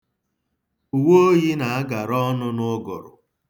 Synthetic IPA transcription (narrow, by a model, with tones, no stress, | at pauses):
u˨wo˦o˦ɣi˦na˨a˦ɡa˨ɾɔ˦nʊ˦nʊ˦ɡɔ̰˨ɾʊ̰˨